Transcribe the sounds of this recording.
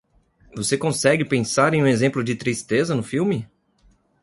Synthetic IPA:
vosekõsɛɡɪpẽsaɾẽj̃ũezẽmplʊd͡ʒɪt̪ɾist̪ezɐnʊfiwmɪ

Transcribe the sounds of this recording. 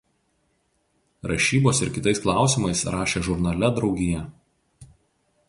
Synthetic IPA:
ɾɐʃʲiːboːsɪɾkʲɪt̪ɐɪsklˠɑˑʊsʲɪˑmɐɪsɾɑːʃʲeːʒʊɾnɐlʲɛd̪ɾɒʊɡʲɪjɛ

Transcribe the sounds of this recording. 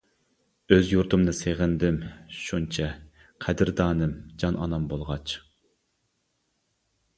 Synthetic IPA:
øzjuɾt̪ʰɨmnɨseʁɪnd̪ɪmʃunt͡ʃʰɛ | qʰæd̪ɪɾd̪ɑːnɨmd͡ʒɑnɑ̰nɑmbolˠʁɑt͡ʃ

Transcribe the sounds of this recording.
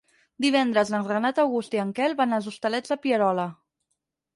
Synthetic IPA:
d̪iβ̞ɛnd̪ɾəzlənrənat̪əwɣust̪iəŋkɛlˠβanalˠzust̪əlɛd͡zðəpiəɾɔlə

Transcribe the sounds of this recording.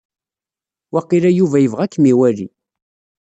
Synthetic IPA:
wɑqːiɾæjuvæjəvʁækːmiwælḭ

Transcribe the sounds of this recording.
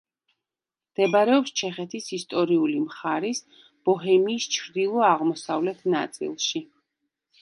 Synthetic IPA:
md̪̥ɛbaɾɛɔpst͡ʃʰɛχɛt̪ʰisist̪ʼɔɾiulimχaɾis | b̥ɔɦɛmiːst͡ʃʰɾd̪ilˠɔaʁmɔsavlɛt̪ʰnat̪sʼḭlˠʃi

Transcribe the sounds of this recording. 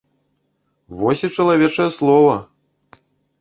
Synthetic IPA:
vɔsʲit͡ʂɐlˠavʲɛt͡ʂɐjɐslˠɔvɐ

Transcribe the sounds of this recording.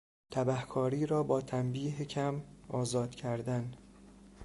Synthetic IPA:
t̪ʰæbæhkʰɒːɾiːɾɒːbɒːt̪ʰæmbiːɦecʰæmʔɒːzɒːd̪̥cʰæɾd̪æn

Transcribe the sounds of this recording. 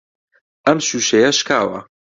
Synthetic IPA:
ʔɐmʃuːʃejɐʃkaːwɐ̰

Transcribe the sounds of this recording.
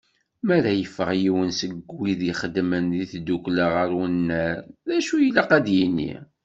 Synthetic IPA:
mæɾæjəfːəʁjiwənsəɡwiðiχəd̪mənðiθd̪ukləʁəɾwənːəɾðæʃujəlaqæd̪jinːḭ

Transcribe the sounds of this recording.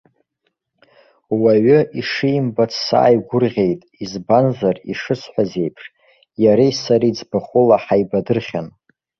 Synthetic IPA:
waɥʏiʂɨjmbat͡sʰsa̰ːjɡʷʊrʁʲe̞jtʼizbanzariʂɨsʷʰħʷaze̞jpʰʂ | jaɾajsaɾid͡zbaχʷʊlaħajbadɨrχʲan

